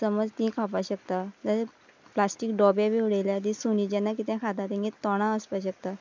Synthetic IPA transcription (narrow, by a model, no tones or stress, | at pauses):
səməd͡zt̪ĩkʰapaɕəkt̪at̪ə | plasʈikɖɔbjabeʋɽejljat̪̬ĩsunid͡ʑɛ̃nːakit̪ɛ̃kʰat̪at̪ẽŋɡit̪ɔɽ̃ãəspaɕəkt̪a